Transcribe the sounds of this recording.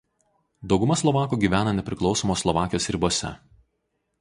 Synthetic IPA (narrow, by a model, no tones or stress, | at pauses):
d̪ɒʊɡʊmɐslˠɔʋɑːkuːɡʲiːʋʲæːnɐnʲɛpʲɾʲɪklˠɒʊsɔmoːslˠɔʋɑːkʲɪjoːsɾʲɪboɔːsʲɛ̰